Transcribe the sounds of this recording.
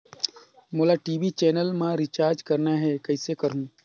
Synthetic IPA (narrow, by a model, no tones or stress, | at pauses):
moːlaːʈiːʋit͡ʃeːnəlmãɾit͡ʃaːɾd͡ʒkɐɾnaɦɛːkɐisekəɾɦũː